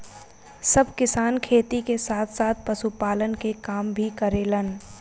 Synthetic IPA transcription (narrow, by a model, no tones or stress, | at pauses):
səbʱkɪsaːnkʰeːt̪ikesaːt̪ʰsaːt̪̚ʰpəʃupaːlənkekaːmbʱikəɾeːlən